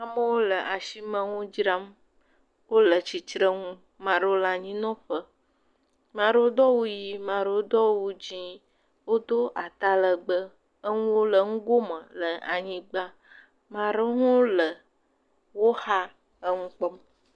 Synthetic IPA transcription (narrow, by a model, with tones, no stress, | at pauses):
a˦mə˦wo˦lə˨ʔa˨ʃi˦mə̃˦ŋũ˦d͡ʒɾa˦m | wo˦lə˨t͡ɕi˨t͡ʃɾə˦ŋũ˦ | mã˨ɖə˦o˦la˨ɲĩ˦nɔ̃˦ɸə˦ | mã˨ɖə˦o˦d̪ɔ˦wu˦ji˦mã˨ɖə˨wo˦d̪ɔ˦wu˦d͡ʒi˦ | wo˦d̪o˦ʔa˨t̪a˦lə˨ɡ͡bə˦ | ə˦ŋũ˦wo˦lə˨ŋũ˦ɡo˦mə̃˨lə˨a˨ɲĩ˦ɡ͡ba˦ | mã˨ɖə˦ŋũ˦lə˨ | wo˦ha˦ | ə˦ŋũ˦k͡pɔ˦m